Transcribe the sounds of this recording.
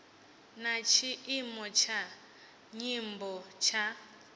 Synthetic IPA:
nat͡ʃʰiʔimɔt͡ʃʰa | ɲimbɔt͡ʃʰa

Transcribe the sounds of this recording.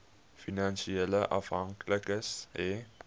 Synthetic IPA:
finanʃiɛləʔɐ̰fɦɐŋkləkəsɛ

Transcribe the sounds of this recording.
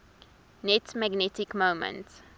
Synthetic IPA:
nɛtmæɡnɛtɪkmõmə̰̃nts

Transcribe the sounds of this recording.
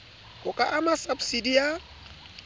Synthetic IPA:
hʊkʼaʔamasabsidija

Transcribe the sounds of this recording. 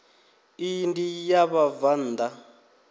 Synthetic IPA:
indijaβavan̩ːd̪a

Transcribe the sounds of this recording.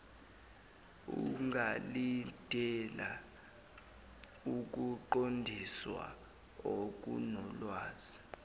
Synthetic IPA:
ṵŋɡʱalidʼʱɛla | uk̬ʼuǃondʱiswa̰ | ok̬ʼṵnɔlwaːz̥i

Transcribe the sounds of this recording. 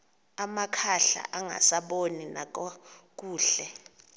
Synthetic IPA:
amakʰaɬa̰ʔaŋa̰saɓoninakʼɔk̬ʼuːɬɛ

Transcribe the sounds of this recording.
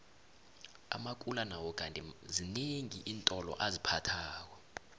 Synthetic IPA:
a̰mak̬ʼulanawɔk̬ʼantʼɛzineŋiʔiːntʼɔlɔ̰ʔazipʰatʰaːk̬wa

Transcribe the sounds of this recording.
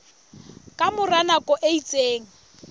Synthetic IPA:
kʼamʊranakʼɔʔeit͡sʼeːŋ̩

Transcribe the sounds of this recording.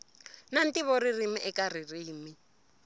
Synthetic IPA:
nan̩tʼiβɔririmiʔɛkʼaririːmi

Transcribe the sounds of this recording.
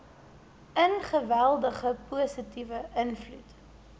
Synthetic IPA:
ənχəvælˠdəχəpuəsətivəʔənflut

